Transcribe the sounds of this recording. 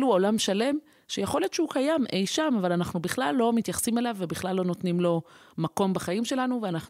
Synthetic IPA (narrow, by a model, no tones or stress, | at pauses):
luolamʃale̞m | ʃejeχo̞ljo̞t̪ʃeukajamʔejʃamavalanaχnubiχlalːo̞mit̪jaχsime̞lavːebiχlalːo̞no̞t̪nimlo̞ | mako̞mbaχajimʃe̞lanuveanaχ